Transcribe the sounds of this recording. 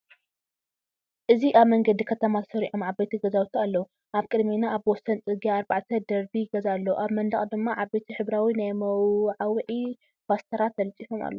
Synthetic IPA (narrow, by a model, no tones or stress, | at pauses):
ʔɨziʔaβmɐŋɡɐd̪ikʰɐt̪ʰɐmat̪ʰɐ̥sɐɾiʕomʕaβbet̪ʰiɡɐzawt̪ʰialːɐwu | ʔaβkʼɨd̪menaʔːβwɔsːɐnt͡sʼɨɡiaːɾbaʕt̪ʰɐd̪ɐɾbiɡɐzalːɐuʔaβmɐnd̪ɐχʼd̪ɨmːaʕaβbet̪ʰiħɨβɾawinajmɐwʕawʕi | bast̪ʰɐɾat̪ʰːɐlɨt͡sʼifoma̰lːo